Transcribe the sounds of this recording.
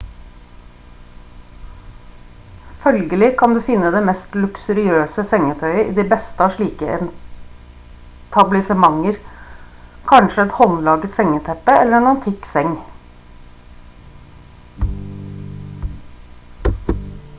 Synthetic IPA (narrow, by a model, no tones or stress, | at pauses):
fœlɡəlɪkʰɑnd̪ʉːfɪnːəd̪eːmɛst̪lʉksʉɾɪøːsəsɛŋːət̪ʰœʏəʔḭːd̪ibɛst̪əʂɭiːkəʔɛn | t̪ʰɑblɪsəmɑŋːəɾ | kʰɑnʃəɛt̪hɔnlɑːɡət̪sɛŋːət̪ʰɛpːəɛlːəɾɛnɑnt̪ʰɪksɛŋ